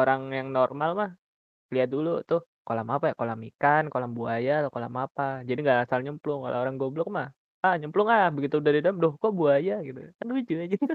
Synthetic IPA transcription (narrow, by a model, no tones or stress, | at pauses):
oɾaŋjaŋnormalmah | liat̪̚dulut̪ʊh | kolamapajakolamikankolaŋbuajalokola̰mapad͡ʒadiŋɡaʔasalɲəmplʊŋka̰lʔo̰oɾaŋɡoblʊk̚mah | ahɲəmplʊŋahbəɡit̪udadidamdohkoʔbuajaɡit̪ṵkanluid͡ʒud͡ʒi